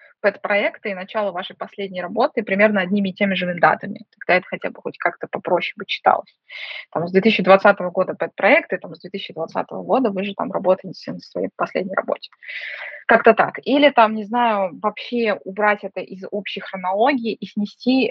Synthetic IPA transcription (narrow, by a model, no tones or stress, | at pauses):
pɛt̪pɾɐɛkt̪ɨːnɐt͡ɕalˠəvaʂɨjpɐsʲlʲedʲnʲɪjɾɐbo̞t̪ɨpɾʲɪmʲe̞rnəɐdʲnʲimʲɪːtʲemʲɪʐɨvɨd̪a̰t̪əmʲɪ̰k̪ɐɡd̪aɛt̪ə̥xɐtʲa̰bɨxo̞̰tʲkʰakt̪əpɐpɾo̞ɕːɪbɨt͡ɕːɪ̥t̪a̰lˠə̰sʲt̪amzd̪vʲet̪ɨsɪt͡ɕːɪd̪vɐt̪sat̪əvəɡo̞d̪əpɛt̪̚pɾɐɛkt̪ɨt̪amzd̪vʲeisʲɪt͡ɕːɪd̪vɐt̪sa̰t̪əvə̰ɡo̞d̪əvɨʐɨt̪a̰mrɐbo̞t̪əjɪtʲɪ̥sʲənəsvɐjḛjpɐsʲlʲḛdʲnʲɪjrɐ̰bo̰tʲɪ̥ | kakt̪ət̪a̰kilʲɪt̪amnʲɪznajʊvɐpɕːe̞ʊbɾatʲɛt̪əʔɪzo̞pɕːɪjxrənɐlˠo̞ɡʲɪːʔisʲnʲɪsʲtʲi